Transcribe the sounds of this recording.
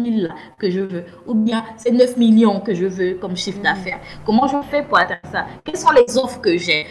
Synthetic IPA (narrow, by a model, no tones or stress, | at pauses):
milːa | kəʒəvø | ubjɛ̃sɛnœfmiljɔ̃kəʒəvøkɔmʃifd̪afɛʁkɔmɑ̃ʒəfɛpuʁat̪ɛ̃d̪ʁsakɛlsɔ̃lɛzɔfʁkəʒɛ